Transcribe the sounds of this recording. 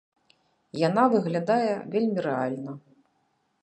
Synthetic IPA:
janavɨɣlʲad̪ajɛvʲelʲmʲiɾɛalʲnɐ

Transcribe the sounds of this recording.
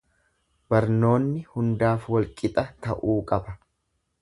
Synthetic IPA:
bɐɾno̞ːnːɪhʊnd̪aːfwɐlkʼɪt̪ʼɐt̪ɐ̰ʔuːkʼɐbɐ

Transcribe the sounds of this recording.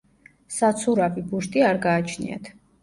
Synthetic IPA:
sat̪sʰuɾavibuʃt̪ʼiaɾɡaːt͡ʃʰnḭa̰t̪ʰ

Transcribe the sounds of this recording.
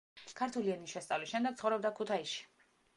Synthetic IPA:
kʰaɾt̪ʰuliɛnisʃɛst̪sʼavlisʃɛmd̪ɛɡ̪̚χɔvɾɛb̚d̪akʰut̪ʰaiʃi̥

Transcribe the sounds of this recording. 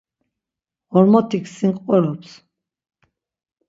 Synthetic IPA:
ɔɾmɔt̪ʰiksiŋkʼɔɾɔps

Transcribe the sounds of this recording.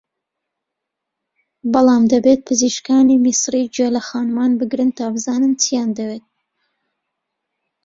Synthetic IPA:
bɑlˠɑːmd̪ɐbeːt̪̚pʰɨziʃkɑːnimisɾid͡ʒelɐxɑːnmɑːnbɨɡɾɨnt̪ʰaːbɨzɑːnɨnt͡sʰijɑːnd̪ɐweːt̪̚

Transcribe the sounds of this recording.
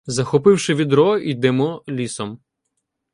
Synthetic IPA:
zɐxɔpɪwʃɪʋʲid̪ɾɔid̪ɛmɔlʲisɔm

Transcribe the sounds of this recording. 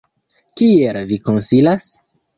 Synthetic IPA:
kielviko̞nsilas

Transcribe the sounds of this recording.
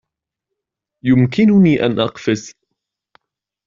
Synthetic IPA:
jʊmkɪnʊniːʔa̰nʔɑqfɪs

